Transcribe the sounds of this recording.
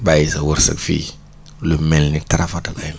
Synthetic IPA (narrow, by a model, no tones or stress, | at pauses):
bajisawuɾsa̰kfḭ | lumelnitaɾafatabajm